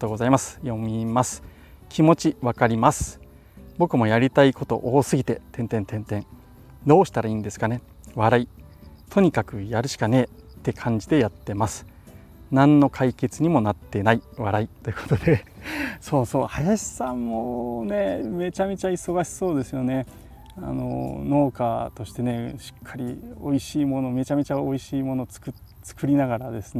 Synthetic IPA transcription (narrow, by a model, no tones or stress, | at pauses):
t̪oːɡozaimasɨ̥jo̞mʲimasɨ̥ | kʲimo̞t͡ɕiβakaɾʲimasɨ̥ | bo̞kɯ̟mo̞jaɾʲit̪aiko̞t̪o̞̰ʔoːsɨɡʲit̪e̞t̪ẽnt̪ẽ̞nt̪ẽ̞nt̪ẽ̞n | d̪o̞ːɕi̥t̪aɾaiːnd̪e̞sɨ̥kane̞ | βaɾai | t̪ʰo̞ɲ̟ikakɯ̟jaɾɯ̟ɕi̥kane̞ːt̪ːe̞kʰãɲ̟d͡ʑid̪e̞jat̪ːe̞masɨ̥ | nãnːo̞kʰaike̞t͡sɨɲ̟imo̞nat̪ːe̞naiβaɾait̪ːo̞jɯ̟ko̞t̪od̪e̞so̞ːso̞ːhajaɕi̥sãmːone̞me̞t͡ɕame̞t͡ɕaiso̞ɡaɕi̥so̞ːd̪e̞sɨjo̞ne̞ | a̰no̞̰no̞ːkat̪o̞ɕi̥t̪e̞ne̞ɕi̥kʰːaɾʲio̞̰iɕiːmo̞no̞me̞t͡ɕame̞t͡ɕao̞iɕiːmo̞no̞t͡sɨ̥kɯ̟ | t͡sɨ̥kɯ̟ɾʲinaɡaɾad̪e̞sɨn